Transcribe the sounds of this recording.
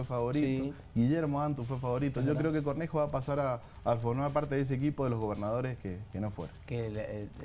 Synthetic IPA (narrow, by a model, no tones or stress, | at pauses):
efaβo̞ɾit̪o | ɡiʎeɾmoant̪ufwefaβo̞ɾit̪oʝokkɾeokekoɾnexoβapasaɾaː | lfoɾmaɾp̬aɾt̪eðes̬eːk̬ipoðelo̞ɣo̞β̞eɾnað̞o̞ɾeskekeno̞fwḛɾoke